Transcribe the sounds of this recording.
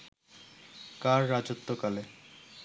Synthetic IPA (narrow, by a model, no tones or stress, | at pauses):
kaɾːad͡ʑot̪ːokale